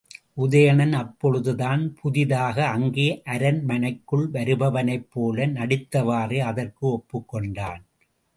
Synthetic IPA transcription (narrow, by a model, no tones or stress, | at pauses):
ʔʊðɐjɐɳɐnɐpːɔɻɯðɯðaːnpʰʊðɪðaːɣɐːŋɡeːʔɐɾɐnmɐnɐɪkːɯɭʋɐɾɯbɐʋɐnɐɪpːoːlɐnɐɽɪt̪ːɐʋaːreːɐðɐrkɯɔpːɯkːɔɳɖaːn